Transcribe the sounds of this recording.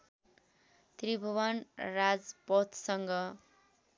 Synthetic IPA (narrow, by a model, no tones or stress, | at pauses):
t̪ribʱʌwʌnrad͡zpot̪ʰsʌŋɡʌ